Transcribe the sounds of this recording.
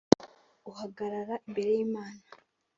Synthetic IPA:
uhaɡaɾaɾaimbe̞ɾe̞jiːmaːna

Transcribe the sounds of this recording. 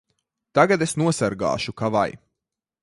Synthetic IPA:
t̪aɡad̪esnuɔsaɾɡa̰ːʃukava̰j

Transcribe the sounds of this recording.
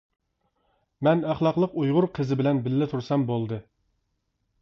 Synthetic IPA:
mɛnæχlˠɑqlˠəqujʁʊɾqʰəzɪbɪlɛnbɪlːɪt̪ʰuɾsɛmbolˠd̪ɨ

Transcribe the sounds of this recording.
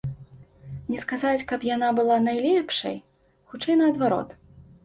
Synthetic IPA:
nʲɛskazat͡sʲkapjanabɨlˠanajlʲɛpʂɐ̰j | xut͡ʂɛjnɐɐd̪vaɾɔ̰t̪

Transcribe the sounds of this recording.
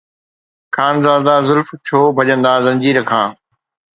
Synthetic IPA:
kʰaːnzaːzd̪aːzʊlft͡ɕʰoːbʱɐʄə̃nd̪aːzɐ̃nd͡ʑiːɾəkʰãː

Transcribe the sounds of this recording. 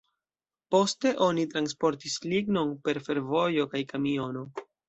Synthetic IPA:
po̞ste̞ʔo̞nitɾanspo̞ɾtisliɡno̞npe̞ɾfe̞ɾvo̞jo̞kajkamio̞no̞

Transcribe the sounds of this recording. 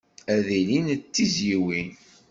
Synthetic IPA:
æðilint͡sːizjiwin

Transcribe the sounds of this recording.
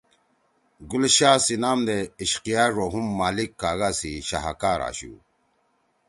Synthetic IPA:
ɡulɕaːsinaːmd̪eiɕqijaɾoɦumːaːlikːaːɣasiɕa̰ɦa̰kaːɾa̰ːɕṵ

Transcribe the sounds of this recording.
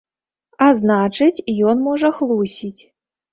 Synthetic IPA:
aznat͡ʂɨt͡sʲjɔnmɔʐɐxlˠusʲit͡sʲ

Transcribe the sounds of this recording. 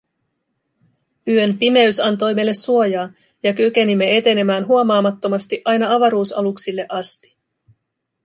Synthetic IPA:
yø̞npime̞ysɑnt̪o̞jme̞lːesuo̞jɑː | jɑkyke̞nimːe̞e̞t̪e̞ne̞mæːnɦuo̞mɑːmɑt̪ːo̞mɑst̪iʔɑjnɑɑʋɑɾuːsɑ̰luksilːe̞ʔɑst̪i̥

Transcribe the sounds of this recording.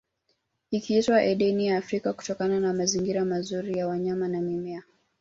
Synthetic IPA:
ikiitwaʔɛɗɛnijaːfɾikaku̥tɔkananamaziŋɡiɾamazuɾijawaɲamanamimɛa

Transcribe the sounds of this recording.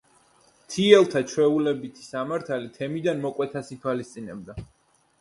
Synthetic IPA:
t̪ʰiɛlˠt̪ʰat͡ʃʰwɛulɛbit̪ʰi̥samaɾt̪ʰalit̪ʰɛmid̪anmɔkʼwɛt̪ʰasit̪ʰwalist̪sʼinɛ̰b̚d̪a

